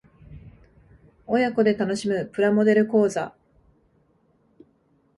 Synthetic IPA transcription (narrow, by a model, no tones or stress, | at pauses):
o̞jako̞d̪e̞t̪ano̞ɕimɯ̟pɯ̟ɾamo̞d̪e̞ɾɯ̟ko̞ːza̰